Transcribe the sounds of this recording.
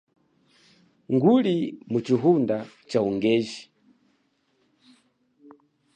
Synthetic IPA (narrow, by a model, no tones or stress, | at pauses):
ŋɡulimut͡ʃiɦunda | t͡ʃauŋɡɛːʒi